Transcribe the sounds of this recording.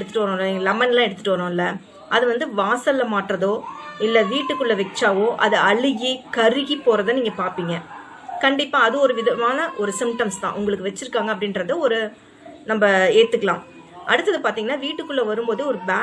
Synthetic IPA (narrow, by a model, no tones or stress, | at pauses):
ɽɯt̪ːɯ̥ʈːɯʋɐɾõːɪlːɐŋɡɐlɐmɐnlãːɛɽɯt̪ːɯ̥ʈːɯʋɐɾõːɪlːɐ | ʔɐðɯʋɐnd̪ɯʋaːsɐlːɐmaːʈɾɐðoːɪlːɐʋiːʈːɯkːɯɭːɐʋɛt͡ʃːaːʋoːʔɐðɯɐɭɯɣikɐɾɯɣipoːɾɐðɐːniːŋɡɐpaːɾpiːŋɡɐ | kɐɳɖɪpːãːɐðɯɔɾɯʋɪðɐmaːnɐʔɔɾɯsɪmʈɐmst̪ã̰ːʔʊŋɡɐɭɯkːɯʋɛt͡ʃːɪɾɯkːaːŋɡɐp̬ːɐɽɪnɾɐðɯɔɾɯ | nɐmbɐeːt̪ːɯkːɐɭã̰ː | ʔɐɽɯt̪ːɐðɯpaːɾt̪iːŋɡɐnːaːʋiːʈːɯkːɯɭːɐʋɐɾɯmboːðɯɔɾɯbaː